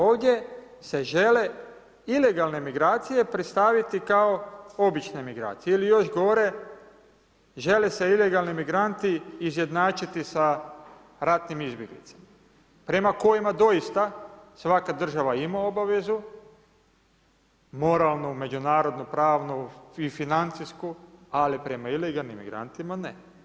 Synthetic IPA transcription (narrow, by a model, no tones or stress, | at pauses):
oːʋd̪je̞ | se̞ʒe̞le̞ | ile̞ɡalˠne̞miɡɾaːt̪sije̞pɾit̪st̪aʋit̪ikao̞o̞bit͡ʃnemiɡɾa̰ːt̪sijeilijo̞ʃɡo̞ɾe̞ | ʒe̞lese̞ile̞ɡalˠnimiɡɾant̪iːzje̞d̪naːt͡ʃit̪isa | ɾat̪nimizbjeɡlḭt̪sḁma | pɾe̞mako̞jimad̪o̞jist̪asʋakad̪r̩ʒaʋaimao̞baʋe̞zu | mo̞ɾaːlˠnume̞d͡ʒunaːɾo̞d̪nupɾaːʋnuifinant̪siskualipɾe̞maileɡalˠnimːḭɡɾa̰nt̪imane